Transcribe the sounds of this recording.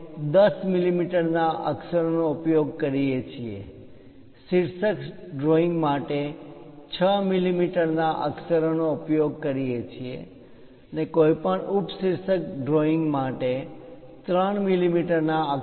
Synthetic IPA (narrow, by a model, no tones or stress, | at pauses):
d̪əsmilimiʈəɾnaʔə̰ksəɾonoupjoɡ̚kəɾijet͡ʃʰiḛ | siɾsəkɖɾoĩŋɡmaʈet͡ʃʰəmilimiʈəɾnaʔə̰ksəɾonoupjoɡ̚kəɾijet͡ʃʰiḛ | ənekojpəɳuʈʰsiɾsək̚ɖɾoiŋɡmaʈe | t̪ɾəɳmilimiʈəɾnaə